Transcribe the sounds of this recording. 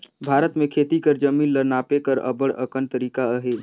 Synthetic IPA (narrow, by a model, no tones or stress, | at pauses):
bʱaːɾət̪mẽkʰeːt̪ikəɾd͡ʒɐmĩːnləɾnaːpekəɾə̰bəɽə̰kənt̪əɾiːkaɦeː